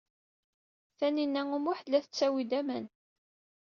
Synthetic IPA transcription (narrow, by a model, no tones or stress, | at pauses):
θæninːæŋumʊħlːæθət͡sːæwid̪æmən